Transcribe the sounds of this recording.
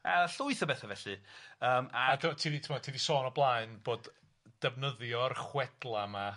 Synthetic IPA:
a̰ɬʊɨθəbɛθavɛɬɨəːmaadəmtʰiːðitʰəmɔtʰiːðisɔːnɔblˠaɨnb̥oːd | d̥ɛvnəðjɔrχwɛd̥lˠama

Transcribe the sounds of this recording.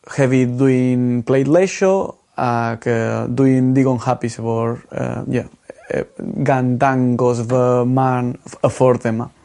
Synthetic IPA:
hɛvid̪uiŋplejd̪leʃo | aked̪uiŋd̪iɡõnhapisfoɾɛ̰ja̰ | ɡãnd̪ãŋɡosvəmãnəfoɾt̪emã

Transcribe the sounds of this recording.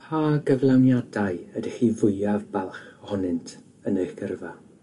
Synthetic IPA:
haːɡəvlˠanjadaɨədiχiːvʊjavbalˠχɔhɔnɨntʰ | ənejχɡ̥ərva

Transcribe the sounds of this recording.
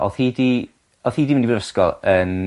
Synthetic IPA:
ɔ̰θhiːdi | ɔθhiːdiɪndivvəskɔlˠən

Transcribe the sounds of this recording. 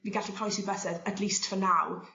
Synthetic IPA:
niɡaɬipʰɔjsibəsɛdətʰliːstfənaw

